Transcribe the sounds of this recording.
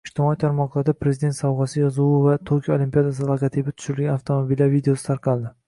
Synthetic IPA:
ɪʃt̪ɪmɒit̪ʰaɾmɒqlˠaɾd̪apʰɾe̞zɪd̪ent̪sɒwʁɑsɪjɒzʊwvat̪ʰoɾkʲʰjaolimpijad̪as̬ɪlˠokat̪ʰibɪt̪ʰʊ̥ʃʊɾɪlɡʲanaft̪ʰomobilaɾvid̪eosɪ̥t̪ʰaɾqʰɑlˠd̪ɪ

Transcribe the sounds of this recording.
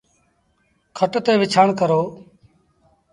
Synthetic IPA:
kʰəʈt̪eːʋɪt͡ʃʰaːɳkəɾoː

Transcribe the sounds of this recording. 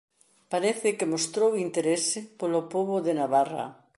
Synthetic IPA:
paɾeθɪkemost̪ɾowint̪eɾesɪpolopoβoðenaβara̰

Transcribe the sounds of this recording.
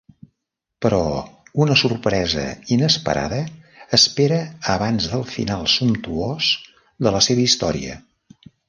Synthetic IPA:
pəɾɔunəsurpɾɛzə̰inəspə̰ɾʔa̰ðəːspeɾəəβanzðəlˠfḭnalˠsumt̪uos | d̪ələseβəist̪ɔɾḭə̰

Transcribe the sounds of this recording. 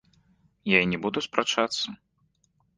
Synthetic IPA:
jainʲɛbud̪uspɾat͡ʂat̪sːɐ

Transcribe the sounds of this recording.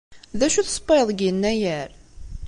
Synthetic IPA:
ðæʃuθspːeðˤɡənːæjæɾ

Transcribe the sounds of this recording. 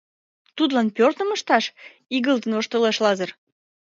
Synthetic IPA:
t̪ud̪lɑnpørt̪əməʃt̪ɑʃ | iɣəlt̪ənoʃt̪əleʃlɑzər

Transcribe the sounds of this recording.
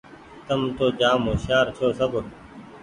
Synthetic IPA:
t̪əmt̪oːd͡ʒaːmoːʃaːɾt͡ʃʰoːsəb

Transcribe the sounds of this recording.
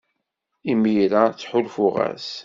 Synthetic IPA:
imiɾat͡sːħʊlfʊʁæ̰s

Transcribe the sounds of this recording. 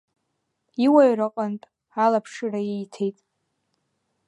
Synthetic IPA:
iwaɥrɨqʼanpʼ | alapʰʂɨraejtʰe̞jtʼ

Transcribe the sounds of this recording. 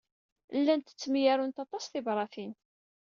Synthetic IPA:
lːænt̪ə̥t͡sːmjæɾʊnt̪ɑt̪ˤɑsθɪbɾˤɑθin

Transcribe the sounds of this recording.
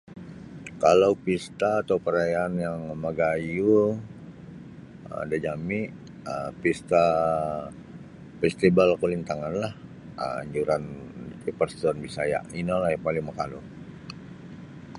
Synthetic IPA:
kalaupist̪aːt̪awpəɾajaːnjaŋməɡaju | ə̰dad͡ʒami | əpist̪a | fɛst̪ibalkulint̪aŋanlah | ə̰a̰ɲd͡ʒuɾantipərsi̥t̪uanbisaja̰inalahjaŋpalɪŋməkalṵ

